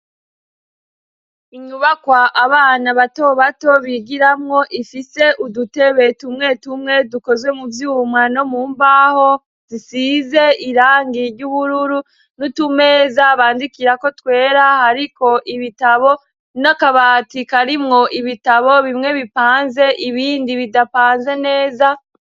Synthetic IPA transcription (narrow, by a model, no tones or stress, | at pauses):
iɲuβakwaʔaβaːnaβato̞βato̞βiɡiɾamŋo̞ʔifise̞ʔudute̞βe̞tumŋe̞tumŋe̞duko̞zɡwe̞muvjuːmŋano̞muːmbaho̞ | z̥isize̞iɾaːŋɡiɾɟuβuɾuɾu | nutume̞ːzaβaːndikiɾako̞twe̞ːɾahaɾiko̞ʔiβitaβo̞ | nakaβatikaɾimŋo̞ʔiβitaβo̞βimŋe̞βipaːnze̞ʔiβiːndiβidapaːnze̞ne̞ːza